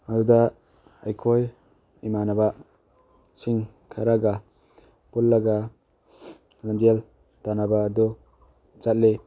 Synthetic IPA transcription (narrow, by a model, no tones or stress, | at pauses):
aduda | ajkʰoj | imanaba | siŋ | kʰaɾaɡa | pulːaɡa | lamdijal | tanabaːdu | d͡ʒat̚le